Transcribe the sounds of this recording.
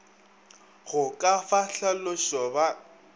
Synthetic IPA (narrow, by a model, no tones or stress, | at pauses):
ɣʊkʼafaɬalʊʃɔba